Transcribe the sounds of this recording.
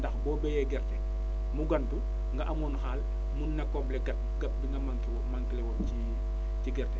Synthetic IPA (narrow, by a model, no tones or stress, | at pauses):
dɐxbɔːbɛjɛɡɛrtɛ | muɡɐntu | ŋɡɐʔɐmɔːnxaːl | munːɐkːɔblɛɡɐt̚ɡɐp̚diŋɡɐmaŋkiwɔmaŋkilɛwɔci | ciɡɛrtɛ